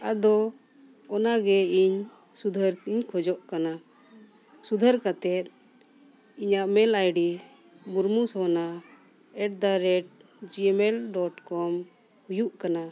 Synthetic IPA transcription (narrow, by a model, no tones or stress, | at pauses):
ad̪ɔ | ɔnaɡɛiɲ | sud̪ʱəɾiɲkʰɔd͡ʒɔʔkana | sud̪ʱəɾkat̪ɛt̪̚ | iɲaʔmɛlajɖi | buɾmusɔna | ɛʈ̚d̪aɾɛʈ̚ | d͡ʒimɛlɖɔʈkɔm | hujuʔkana